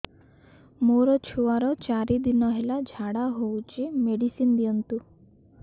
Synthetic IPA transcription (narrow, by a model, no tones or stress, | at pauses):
moɾɔt͡ʃʰuaɾɔt͡ʃaɾid̪inɔɦelad͡ʒʱaɽaɦowt͡ʃimeɽisind̪ijɔnt̪u